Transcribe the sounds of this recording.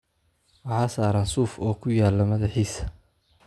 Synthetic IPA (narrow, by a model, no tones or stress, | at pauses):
wɑħɑːsaːɾaːnsuːfɔːkʰʊjaːlːɐmɐðɑħiːsɐ̥